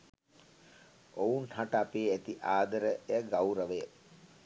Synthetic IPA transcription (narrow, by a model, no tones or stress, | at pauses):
ounhaʈəapeːæt̪iʔaːd̪əɾəjaɡawɾəʋejə